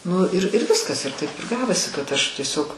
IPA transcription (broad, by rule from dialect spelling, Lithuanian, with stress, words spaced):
ˈnʊ ɪr ɪr ˈʋʲɪskɐs ɪr tɐɪp ɪr ˈɡɑːʋoːsʲɪ kɐt ˈɐʃ tʲiɛˈsʲoːk